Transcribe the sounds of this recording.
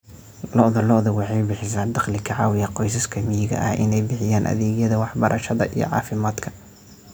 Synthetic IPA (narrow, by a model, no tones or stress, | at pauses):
lɔʔðɐlɔʔðɐwɑħɑjbɪħɪsaːnd̪ɑχlɪkʰɐʕɑːwɪjɐqɔjsɐskʰɐmɪjɪɣɐ̰ʔɐ̰hɪ̰nɛjbɪħɪjaːnʔɐ̰ðɛːɣjɐðɐwɑħbɐɾʔɐʃɐðɐ̰ʔḭjɔ̰ʕɑ̰ːfɪmaːd̪kʰɐ̥